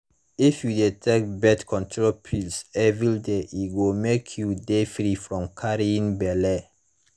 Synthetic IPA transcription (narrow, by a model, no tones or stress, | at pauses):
ifjudetʰɛk̚bɛtkʰɔ̃ntʰɹolpʰilsɛvɾideʔiɡomekʰjudefɾifɾɔ̃mkʰaɾiĩnbɛlɛ